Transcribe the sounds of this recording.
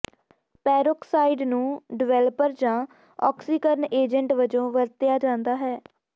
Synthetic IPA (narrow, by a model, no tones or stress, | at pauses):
pɛːɾʊksaːiɖnũːɖɪʋɛːləpəɾd͡ʒãː | ɔ̰ːksiːkəɾneːd͡ʒəɳʈʋəd͡ʒõːʋəɾt̪ɪjaːd͡ʒãːnd̪aːɦɛː